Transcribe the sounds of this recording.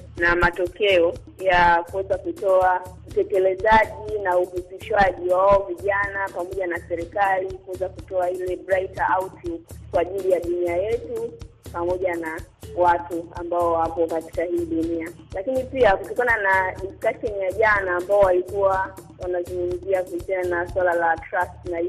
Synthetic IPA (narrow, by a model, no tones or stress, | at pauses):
namatɔkɛɔ | jakuwɛzakutɔautɛkɛlɛzaʄinauhusiʃwaʄiwawaɔviʄanapamɔʄanasɛɾɛkalikuwɛzakutɔahilɛbɾajtaautukwaʄilijaɗuniajɛtupamɔʄanawatua̰mbaɔwapɔkati̥kahiːɗunialakinipiakutɔkananaɗiskaʃɛnijaʄanaːmbaɔwalikuwawanazunum̩ziakuisiananaswalalatɾastna